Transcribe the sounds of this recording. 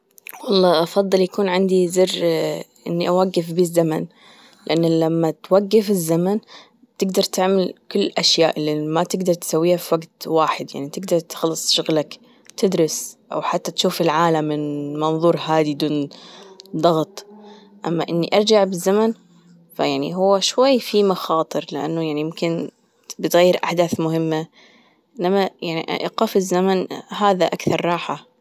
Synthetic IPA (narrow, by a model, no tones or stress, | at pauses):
wɑlˤːɑːʔɑfɑðˤːɨljakuːnʕɪnd̪izɪrʔɪ̰nːiʔawaɡːɪfbiːzːaman | lɪʔanːlamːat̪waɡːɪfɪzːaman | t̪ɪɡd̪ɑɾˤt̪ɪʕmalkʊlːʔaʃjaːʔɪlːimat̪ɪɡd̪ɑɾˤt̪ɪ̥sawːiːhafiwaɡt̪waːħɪd̪ja̰ʕnit̪ɪɡd̪ɑɾˤt̪xɑlːɨsˤʃʊɣlak | t̪ɪd̪ɾɪsʔa̰wħat̪ːat̪ʃuːfɪlʕaːlamːɪnmɑnðˤuːɾˤɦaːd̪id̪uːn | d̪ˤɑɣt̪ˤ | ʔamːaʔɪnːiʔɑɾˤd͡ʒaʕbɪzːaman | fajaʕnḭɦʊwːaʃwajːfimɑxɑːt̪ˤɨɾlɪʔa̰nːujaʕnijɪmkɪn | bɪt̪ɣajːɪɾʔaħd̪aːθmʊɦɪmːa | ʔɪnːamajaʕnḭʔʔɪqɑːfɪzːamanɦaːðaʔakθɑɾˤːɑːħa